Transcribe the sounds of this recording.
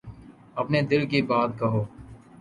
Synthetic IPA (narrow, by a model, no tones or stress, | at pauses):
əpneːd̪ɪlkeːbaːd̪kəɦoː